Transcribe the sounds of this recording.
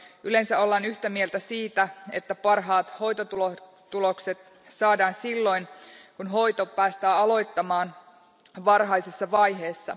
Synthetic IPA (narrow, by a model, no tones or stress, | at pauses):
yle̞nsæo̞lːɑnyçt̪æmielt̪æsiːt̪æe̞t̪ːæpɑrɦɑːt̪ho̞jt̪ot̪ulo | t̪ːulo̞kse̞t̪ | sɑːdɑːnsilːo̞jnkunɦo̞jt̪o̞pæːst̪æːɑlo̞jt̪ːɑmɑːn | ʋɑrɦɑjsesːɑʋɑjɦe̞ːsːɑ̰